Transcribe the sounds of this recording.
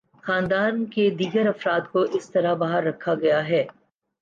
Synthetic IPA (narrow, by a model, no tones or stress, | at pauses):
xaːnd̪aːnked̪iːɡəɾɐfɾaːt̪koʔɪst̪ɐɾabaːɦəɾːɐkʰːaɡɐjaɦɛː